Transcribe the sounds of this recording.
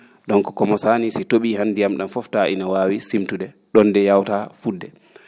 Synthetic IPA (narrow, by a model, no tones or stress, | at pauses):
ɗɔnkɔkɔmɔsaːnisitoɓiːɦanːdijamɗamfɔftaʔḭnawaːwisimtuɗɛ | ɗɔndɛjawtafudːɛ